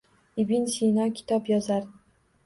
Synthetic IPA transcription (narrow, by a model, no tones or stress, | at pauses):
ɪbinsinɒkʲʰɪ̥t̪ʰɒpjɒzaɾ